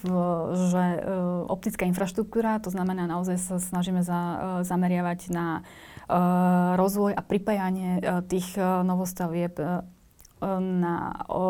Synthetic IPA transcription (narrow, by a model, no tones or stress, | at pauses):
ʒɛɔ̰p̚t̪it͡skaːinfɾaʃt̪ɾuk̚t̪uːɾat̪ɔznamɛnaːnaɔzajsasnaʒiːmɛzazamɛɾɪaʋaɟna | ɾɔzʋɔjapɾipajaɲɪɛt̪iːɣnɔʋɔst̪aʋɪɛp | na̰